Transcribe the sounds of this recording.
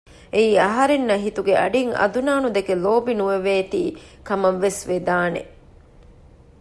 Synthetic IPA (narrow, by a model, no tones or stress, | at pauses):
eiːɐɦɐɾenːɐɦit̪uɡeʔɐ̰ɖiŋɐ̰d̪unaːnud̪ekeloːbinuʋeʋeːt̪iːkɐmɐʋːesʋed̪aːnḛ